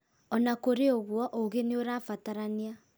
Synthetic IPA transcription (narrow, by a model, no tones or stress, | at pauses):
ɔnakoɾeoɣwɔʔoɣeneoɾafataɾania